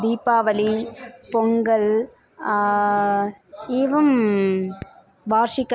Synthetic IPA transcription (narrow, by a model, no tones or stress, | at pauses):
d̪iːpːaːʋɐlipɔŋɡɐl | eːʋɐm | baːɾʂɪkːɐ